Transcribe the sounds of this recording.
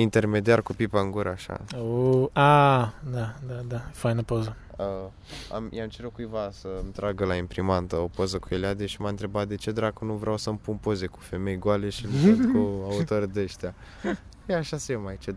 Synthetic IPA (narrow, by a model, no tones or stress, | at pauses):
int̪e̞rme̞d̪iarkupipaɨŋɡuɾəaʃa̰oad̪ad̪ad̪afajnəpozə | ə | a̰mjamt͡ʃeɾokujvasəmt̪ɾaɡəlaimpɾimant̪əopozəkuelad̪eʃimaɨnt̪ɾe̞bat̪̚d̪e̞t͡ʃe̞d̪ɾakənuvɾeʔawsəmpunpo̞ze̞ku̥fe̞me̞jɡoale̞ʃilfokuaut̪o̞rd̪e̞ʃt̪ea | jeaʃasejemajt͡ʃe